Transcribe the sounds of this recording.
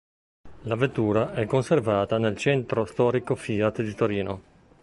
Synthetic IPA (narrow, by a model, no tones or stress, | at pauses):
lavet̪ːuːɾaʔɛkːonservaːt̪anelt͡ʃɛnt̪ɾost̪ɔːɾikofiːat̪d̪it̪oɾiːno